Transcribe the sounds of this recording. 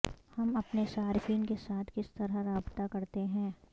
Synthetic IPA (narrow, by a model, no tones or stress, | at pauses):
hɐmɐpneʃaːɾfiːnkesaːt̪ʰkɪst̪ɐɾaɾaːbt̪akɐɾt̪eɦɛ̃ː